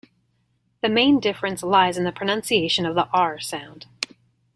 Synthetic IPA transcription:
ðɨmẽɪ̃ndɪfɹɨ̃nslaɪzɨ̃n̩ðɨpʰɹ̥ɨnʌ̃nsieɪʃɨ̃nʌvðiʔɑɹsãʊ̃nd̥

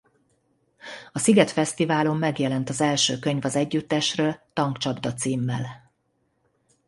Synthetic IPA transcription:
ɒsiɡɛt̪fɛst̪ivaːlo̞mːɛɡjɛlɛnt̪ɒzɛlʃøːkø̞ɲvɒzɛɟːyt̪ːɛʃrøːlt̪ɒŋkt͡ʃɒbd̪ɒt̪siːmːɛl

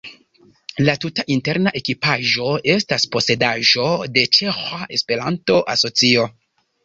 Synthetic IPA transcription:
latutaʔinte̞ɾnaʔe̞kipaʒo̞e̞staspo̞se̞daʒo̞de̞t͡ʃe̞xaʔe̞spe̞ɾanto̞ʔaso̞t͡sio̞

